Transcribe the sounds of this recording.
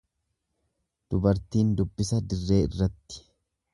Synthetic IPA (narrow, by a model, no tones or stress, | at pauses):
d̪̥ʊbɐɾt̪iːnd̪ʊbːɪsɐd̪ɪrːe̞ːɪrːɐt̪ːɪ̥